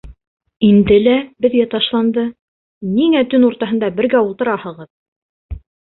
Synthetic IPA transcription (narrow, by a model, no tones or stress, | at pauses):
ind̪ɘlæbɘ̆ðɡæt̪ɑʃlˠɑnd̪ɤ | niŋæt̪ɵnuɾt̪ɑɦɤ̆nd̪ɑbɘ̆ɾɡæulˠt̪ɤ̆ɾɑhɤ̆ʁɤð